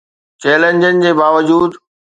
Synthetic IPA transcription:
t͡ɕeːlə̃ɲd͡ʑənɪ̆d͡ʑeːbaːʋəd͡ʑuːd̪

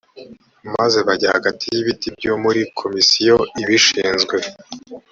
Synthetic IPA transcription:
maze̞βaɟahaɡatʰijiβitibɟomuɾikʰo̞misijo̞iβiʃiːnzɡwe̞

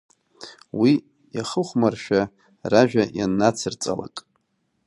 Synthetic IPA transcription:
wi | jaχəχʷmarʃᶣa | raʒᶣajanːat͡sʰɨrt͡sʼa̰la̰kʼ

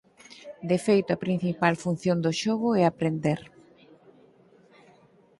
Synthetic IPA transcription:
d̪efejt̪ʊapɾin̟θipalfun̟θjond̪oʃɔɣʊɛapɾend̪eɾ

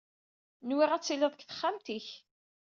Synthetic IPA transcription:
nwiʁæt͡sːiləðˤkθə̥χːamt̪iç

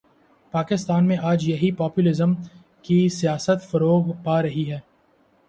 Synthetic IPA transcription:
paːkɪst̪aːnmẽʔaːd͡ʒjɐɦipɔːpjulɪzəm | kisijaːsət̪fɐɾoːɡpaːɾɐɦiɦɛː

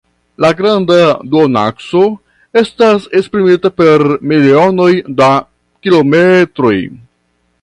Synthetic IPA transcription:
laɡɾandaduona̰kso̞ | e̞stasespɾimitape̞ɾmilio̞no̞jda | kilo̞me̞tɾo̞j

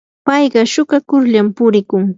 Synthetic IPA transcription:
pɑjɢɑʃʊkakʊɾʎampʊɾɪkʊŋ

